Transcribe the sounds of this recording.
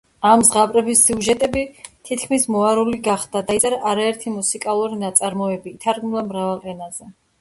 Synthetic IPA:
amzʁapʼɾɛbisːiuʒɛt̪ʼɛbit̪ʰit̪ʰkʰmismɔaɾuliɡaχd̪ad̪ait̪sʼɛɾaʔaɾaɛɾt̪ʰimusikʼalˠuɾinat̪sʼaɾmɔɛbit̪ʰaɾɡmulˠamɾavalˠqʼɛnazɛ

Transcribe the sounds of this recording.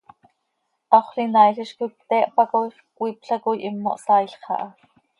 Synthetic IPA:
ʔoχɬinɑːjɬiʃkuk̚t̪ɛːʔpɑkoj | wiːpɬɑkojʔimːo̰ʔsɑːjɬχɑ̰ʔɑ

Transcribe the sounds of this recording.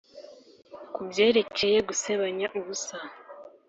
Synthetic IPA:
kubje̞ːɾe̞ce̞je̞ɡuse̞βaɲaʔuβusa

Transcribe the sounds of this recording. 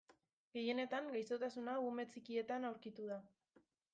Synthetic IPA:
ɡe̞je̞ne̞t̪aŋɡajso̞t̪asunaume̞t͡sikie̞t̪anawɾkit̪uð̞a

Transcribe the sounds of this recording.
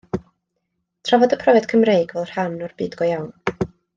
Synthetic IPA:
tʰravɔdəpʰrɔvjɛd̥kʰəmrejɡvɛlˠr̥hanɔrb̥ɨːdɡɔjawn

